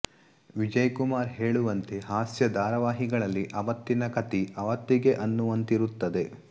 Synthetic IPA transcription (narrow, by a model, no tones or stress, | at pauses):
ʋid͡ʒɐjkumaːɾɦe̞ːɭuʋɐnt̪e̞ɦaːsjɐd̪aːɾɐʋaːɦiɡɐɭɐlːiʔɐʋɐt̪ːinɐkɐt̪iɐʋɐt̪ːiɡe̞ʔɐnːuʋɐnt̪iɾut̪ːɐd̪e̞